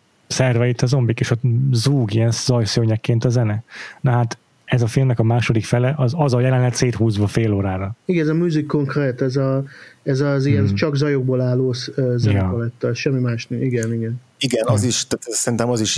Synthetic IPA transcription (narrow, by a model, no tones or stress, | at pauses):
sɛrvɛit̪ːɒzo̞mbikeːʃɒzuːɡiɛnsz̥ɒjsøːɲɛkːeːnt̪ɒzɛnɛnɒɦaːt̪ | ɛzɒfilmnɛkɒmaːʃo̞d̪ikfɛlɛʔɒzɒzɒjɛlɛnɦɛt̪seːt̪huːzvɒfeːloːɾaːɾɒiɡɛnɛzɒmyzikːo̞ŋkreːt̪ɛzɒɛzɒzijɛnt͡ʃɒɡzɒjo̞ɡ̚boːlaːloːszɛnɛkɔlɛt̪ːɛʃɛmːimaːʃniɡɛniɡɛn | iɡɛnɒziʃt̪aːt̪sɛɾint̪ɛmɒziʃ